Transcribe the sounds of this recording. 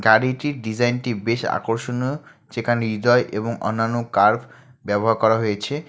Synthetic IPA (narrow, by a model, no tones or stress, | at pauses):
kaɾiʈiɾɖid͡ʑajnʈibeʃa̰koɾʃono | t͡ɕekanid̪ɔeʔeboŋʔɔ̰nːanːokaɾb | bɛboɦaɾkɔɾaɦojet͡ɕʰe